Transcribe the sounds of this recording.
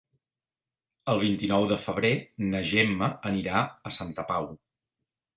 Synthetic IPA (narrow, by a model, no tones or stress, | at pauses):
əlˠβ̞int̪inɔwðəfəβ̞ɾenəʒemːəəniɾaəsant̪əpaw